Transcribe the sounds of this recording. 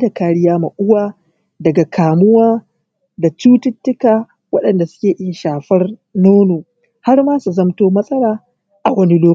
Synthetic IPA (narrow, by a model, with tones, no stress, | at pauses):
da˨kaː˨˦ɽɪ˦jaː˦mɐ˨ʔʊ˦waː˦ | dɐ˨ɡa˨kʰaː˨mʊ˦waː˦ | da˨t͡ʃuː˦tɪ˦tːʊ˦kaː˨ | wɐ˦ɗɐ˨nda˨sʊ̥˦kʲeː˨ʔɪ˦jʃaː˨ɸɐ˦r | noː˦noː˨ | ha˦rmaː˦su˨zɐ˦mtoː˦mɐ˦sʼɐ˦ɽaː˨ | ʔa˨ɡʷɐ˦nɪ˦loː˦